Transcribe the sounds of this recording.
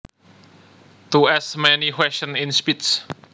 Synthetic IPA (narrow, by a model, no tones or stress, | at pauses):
t̪uɛsmɛnikwɛsə̃ninspits